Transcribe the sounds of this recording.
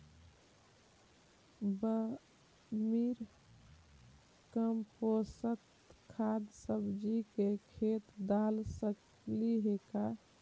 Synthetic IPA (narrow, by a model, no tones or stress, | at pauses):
bə | miɾ | kəmposət̪ | kʰad̪səbd͡ʒikekʰet̪d̪alsək | liɦeka